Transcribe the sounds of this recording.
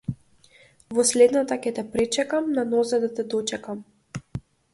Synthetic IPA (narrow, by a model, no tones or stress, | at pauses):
vɔslɛd̪nat̪akʲɛt̪ɛpɾɛt͡ʃɛkamnanɔzad̪at̪ɛd̪ɔt͡ʃɛkam